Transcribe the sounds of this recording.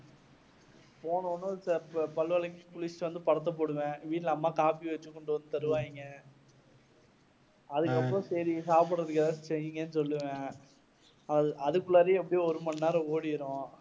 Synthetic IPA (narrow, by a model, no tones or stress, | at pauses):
poːɳoːnɐspɐlʋɐlɐkːikʊɭɪsʈɯʋɐnd̪ɯpɐɽɐt̪̬ːɐp̬oːɽɯʋẽːʋiːʈlɐɐmːaːkaːpiʋɐt͡ʃːɯkːɔɳɖoʋɐnːɯt̪ɐɾɯʋaːɪŋɡɐ | ɐðɯkːɐpːɯɾɔ̃sɐɾisaːpɯɽrɐðɯkːɐðasɛjɯŋɡɐnːɯsɔlːɯʋɡɐ | ʔɐðɯkːɯlaːɾeɛpːɐɽijoɔɾɯmɐnːaːɾɐoːɽɪɪɾõː